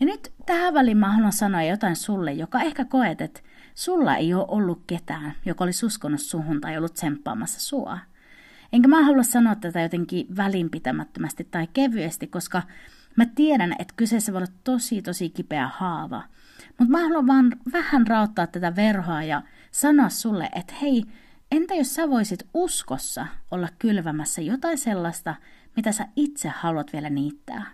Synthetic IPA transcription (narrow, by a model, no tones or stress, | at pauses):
jɑnyt̪t̪æhæʋælimmɑːhɑluɑsɑnojɑjot̪ɑinsulːejjokɑehkækoet̪et̪ | sulːɑ̰ḛioːʔolːukket̪æːnjokolisuskonːussuhunt̪ɑeijolːut̪sempːɑ̰ːmɑsːɑ̥suɑ̰ | eŋkæmæɑhɑluɑssɑnoɑt̪t̪ːæt̪æjot̪eŋkiʋælimpit̪æmæt̪ːømæst̪it̪tɑikeʋyest̪ikkːoskɑ | mæt̪ieɾænḛt̪kysesːæʋoˑolːɑt̪t̪osit̪osikipeæ̰hɑːʋɑ̰ | mut̪mæːhɑluɑʋʋɑːnʋæhænrɑot̪ːɑːt̪t̪ːæt̪æʋerhɑːjɑ | sɑnoɑssulːḛʔet̪he̞i | ent̪æjossæʋoisit̪uskosːɑ̰olːɑkkylʋæmæsːæjot̪ɑiselːɑst̪ɑ | mit̪æsæit̪sehhɑluɑt̪ʋielæniːt̪ːæ̰ː